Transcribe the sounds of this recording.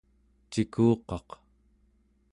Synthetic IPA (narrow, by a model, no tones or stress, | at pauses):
t͡ʃikʰuːqɑq